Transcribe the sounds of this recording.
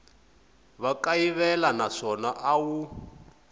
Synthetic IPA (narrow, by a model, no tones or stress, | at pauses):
βakaiβɛlanaʂɔnaʔawu